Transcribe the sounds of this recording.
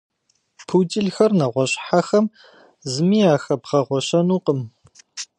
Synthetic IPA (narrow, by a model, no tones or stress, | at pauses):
pʰuːtʼɪɮxɐrnɐʁʷɔɕʼħaxɐm | zɨmiːaːxɐbʁɐʁʷɔɕɐnuːqəm